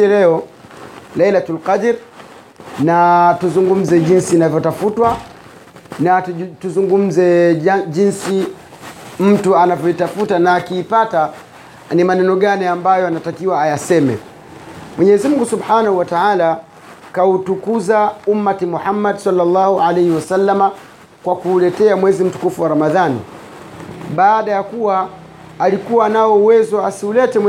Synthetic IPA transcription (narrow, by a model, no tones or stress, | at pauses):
lɛɔ | lɛjlatalqadɾ | natuzuŋɡum̩zɛʄinsiːnavjɔtafutwa | natuzuŋɡum̩zɛʄinsi | m̩tuanavjɔitafutanaːkiːpata | nimanɛnɔɠaniambajɔanatakiwaːjasɛmɛ̰ | mwɛɲɛːzim̩uŋɡusubħanahuwataala | kautukuzaumːatimuħamːadsalːalːɑhuʕalɛjhiwasalːama | kwakuːlɛtɛamwɛzim̩tu̥kufuwaɾamaðanḭ | ɓaːɗajakuwaː | likuwaːnaɔuwɛzɔasiulɛtɛ